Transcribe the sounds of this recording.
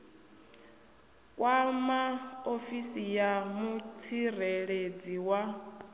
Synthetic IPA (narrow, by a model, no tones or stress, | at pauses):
kʼwamaofisijamut͡sʰireɺed͡ziwa